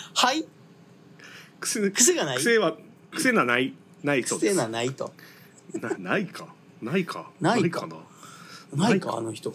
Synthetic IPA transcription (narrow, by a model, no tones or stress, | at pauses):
hai | kɯ̟̥sekɯ̥seɡanaɯi̥seβa | kɯ̟̥senanai | nai̥t̪od̪eanait̪o | nanaikʰa | naikʰa̰nanaaikana̰ | naka̰noçi̥t̪o